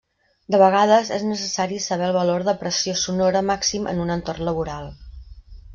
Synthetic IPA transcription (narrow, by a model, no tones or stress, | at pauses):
d̪əβəɣ̞að̞əzeznəsəsaɾisəβ̞ɛlˠβəloɾðəpɾəsiosunoɾəmaksimʔə̰nunənt̪ornləβuɾalˠ